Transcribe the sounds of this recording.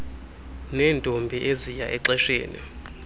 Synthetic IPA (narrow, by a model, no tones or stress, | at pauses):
nɛːntʼombʱiʔezijaʔɛǀɛʃḛːnḭ